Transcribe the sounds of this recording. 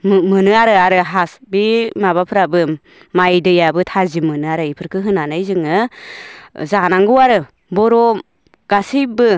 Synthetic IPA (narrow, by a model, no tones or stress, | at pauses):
mmɯnɯaɾɯaɾɯɦasbimaβapʰɯɾabɯ | majdɯjabɯtʰazimɯnɯaɾɯipʰɯɾkʰɯɦɯnanajzɯŋɯ | zanaŋɡɯwaɾɯ | bɔɾɔ | ɡ̥asibɯ